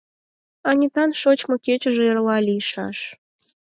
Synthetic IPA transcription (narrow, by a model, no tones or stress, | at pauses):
ɑnʲit̪ɑnʃot͡ɕmŏket͡ɕə̆ʒĕerlɑlʲijʃɑ̰ʃ